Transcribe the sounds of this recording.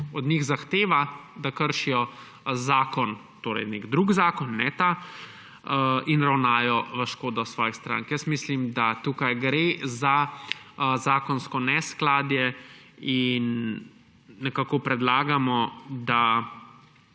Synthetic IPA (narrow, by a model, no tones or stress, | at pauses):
ɔd̪ɲiɣzaxt̪eːʋad̪akəɾʃijɔ | zaːkɔn | t̪oːɾɛ̰jneɡd̪ɾuɡzaːkɔnːɛt̪a | inɾawnaːjɔʋəʃkoːd̪ɔsʋɔːjixst̪ɾa̰ŋkjəst̪mislimd̪at̪uːkajɡɾeza | zaːkɔnskɔnɛsklaːd̪jɛ | in | ɛkaːkɔpɾɛd̪laːɡamɔd̪a